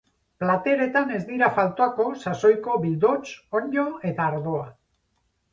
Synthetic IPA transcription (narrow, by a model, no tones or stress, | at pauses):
plat̪e̞ɾe̞t̪ane̞zd̪iɾafalt̪oako̞saso̞jko̞βild̪o̞t͡ʃo̞ɲo̞e̞t̪aːɾðo̞a